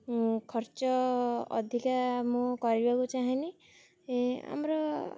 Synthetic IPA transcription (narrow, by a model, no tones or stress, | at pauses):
kʰɔɾt͡ʃɔɔ̰d̪ʱikamũkɔɾibakut͡ʃaɦini | a̰mɾɔ